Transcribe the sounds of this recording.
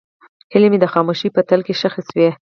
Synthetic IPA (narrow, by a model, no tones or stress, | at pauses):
helemed̪əxɑmuʃipət̪əlkeʃaxiswie